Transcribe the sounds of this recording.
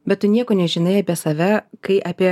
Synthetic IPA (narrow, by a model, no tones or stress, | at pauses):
bʲɛt̪tʊnʲiɛkoːnʲɛʒʲɪnɐɪɐːpʲiɛsɐʋʲɛkɐɪʔɐːpʲiɛ